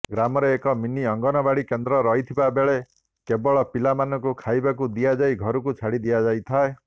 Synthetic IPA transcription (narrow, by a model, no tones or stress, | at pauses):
ɡɾamɔɾeːkɔminiɔŋɡɔnɔbaɽikend̪ɾɔɾɔɦit̪ʰibabeɭe | kebɔɭɔpilamanɔkukʰajbakud̪ijad͡ʒaiɡʱɔɾukut͡ʃʰaɽid̪ijad͡ʒajt̪ʰae